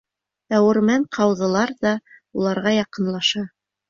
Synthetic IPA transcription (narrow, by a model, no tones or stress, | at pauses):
æwɘ̆ɾmæɴqʰɑwðɤ̆lˠɑɾðɑulˠɑɾʁɑjɑqɤ̆nlˠɑʃɑ